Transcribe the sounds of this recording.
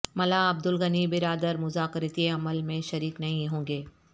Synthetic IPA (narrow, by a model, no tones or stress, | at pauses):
mɐlaːɐb̚d̪ʊlɣɐnibɪɾaːd̪əɾmʊzaːkɾet̪ieɐməlmẽʃɐɾiːknɐɦĩɦõːŋɡeː